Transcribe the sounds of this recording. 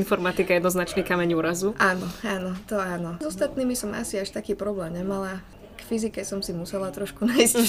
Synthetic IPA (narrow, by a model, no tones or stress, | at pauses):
nfɔɾmat̪ikajɛd̪nɔznat͡ʃnikamɛɲuːɾazuʔaːnɔaːnɔt̪ɔaːnɔzɔst̪at̪niːmisɔma̰siaʃt̪akiːpɾɔblɛːmɲɛmala | kfizikɛsɔmsimusɛlat̪ɾɔʃkunajs